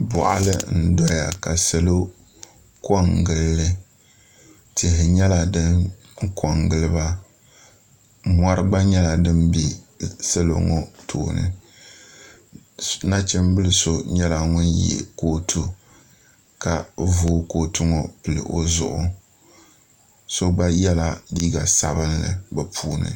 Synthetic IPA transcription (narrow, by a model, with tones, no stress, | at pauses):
bʊ˨ʔa̰˨lɨ˦n̩˦dɔ˦ɾja˨ka˨sɛ˨lo˦ | kɔ˦ŋɡɨ˨lːɨ˦ | ti˨ɦɪ˨ɲɛ˦la˨dɨ˦n | ŋ˦kʰɔ˨ŋɡɨ˦lɨ˦ba˦ | ma˦ɾɨ˦ɡ͡ba˦ɲɛ˦la˨dɨ˦mbi˨se˦lo̰˨ŋɔ˦tʰo̰ː˨nɨ̰˦ | na˦t͡ʃɪ˦m˦bɨ˦lɨ˨so˦ɲɛ˦la˨ŋʊ˦njɛ̰˨koː˦tʰu˦ | ka˨voː˦ko˨tʰʊ˦ŋɔ˨pɨ˨lɨ̰˨ʔo˦zʊ̰˨ʔʊ˨ | so˦ɡ͡ba˦jɛ˦la˦diː˦ɡa˨sa̰˨bɨ˦nlɨ̰˨bɨ˨pʰuː˦nɨ̰˨